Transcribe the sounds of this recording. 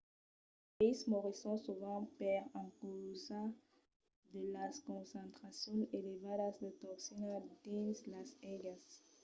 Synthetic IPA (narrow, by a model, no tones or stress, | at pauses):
ejsmoʁisɔ̃suvãpeʁãkuza | d̪əlaskõnsẽnt̪χasjõnelevadasd̪ət̪oksinad̪ĩnslasɛɡas